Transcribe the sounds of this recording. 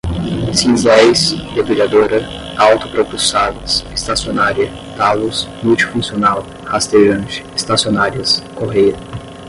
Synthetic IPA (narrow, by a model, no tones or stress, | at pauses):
sĩzlajsd͡ʒabɾilad̪oɾɐ | awt̪ʊpɾopusavɐsest̪asionaɾiɐ | t̪alusmuwt͡ʃi̥fũsionaw | hast̪eʒɐ̃nt͡ʃɪ̥est̪asionaɾiɐskoɦejɐ